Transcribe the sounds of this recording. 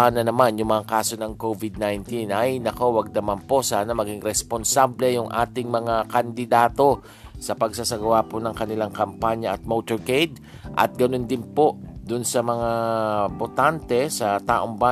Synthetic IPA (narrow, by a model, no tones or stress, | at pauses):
aːnɐnɐmanjʊŋmɐŋakaːso̞nɐŋkovɪd̪̚najnt̪inʔɐjnɐkowɐɡ̚d̪ɐmanpo̞saːnɐmɐɡiŋɾɛsponsablɛjʊŋʔa̰ːt̪ɪŋmɐŋakɐnd̪ɪd̪aːt̪o̞ | sɐpɐɡsasɐɡɐwaːponɐŋkɐnɪlaŋkɐmpaɲjɐʔɐt̪̚moːt̪oɹkejd̪ | ʔɐ̰t̪̚ɡɐnond̪ɪnpo̞d̪ʊnsɐmɐŋabot̪ant̪ɛsɐt̪aːʔoŋba